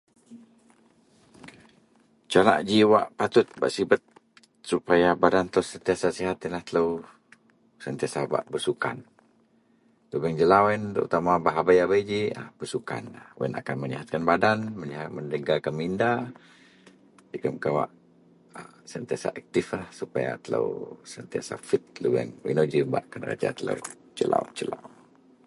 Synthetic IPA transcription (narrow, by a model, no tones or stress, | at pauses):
t͡ʃala̰ʔd͡ʒiwa̰ʔpat̪ʊt̪̚ba̰ʔsibət̪̚ | supajabadant̪əsənt̪iasasiɦat̪inlaht̪ələw | sənt̪iasaba̰ʔbərsuka̰n | t̪ubɛŋd͡ʒəlawɛnt̪ə̰ṵt̪amabaɦabajabəjd͡ʒiabərsuka̰nawɛ̰na̰kanməɲiɦat̪̚kanbadanməniɦaməndəɡakanminda | dikəmkawa̰ʔ | əsənt̪iasa̰ʔɛk̚t̪ɪflahsupaja̰t̪ələ̰wsənt̪ia̰sa̰fit̪̚lubɛ̰ŋḭnod͡ʒibaʔkanra̰d͡ʒa̰t̪ələ̰w | d͡ʒəla̰wt͡ʃəla̰w